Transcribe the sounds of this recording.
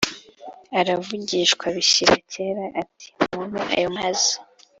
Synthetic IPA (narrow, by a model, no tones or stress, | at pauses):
aɾavuɟiʃkwaβiɕiɾa̰ce̞ːɾaʔati̥mmunuʔa̰jomazi